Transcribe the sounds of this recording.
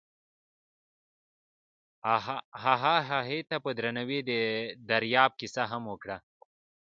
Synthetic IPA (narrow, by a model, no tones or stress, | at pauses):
ɦaɦaɦaɦet̪apəd̪ɾanɐwid̪ed̪ɐɾjɑːb̚kisaɦɐmwokɽa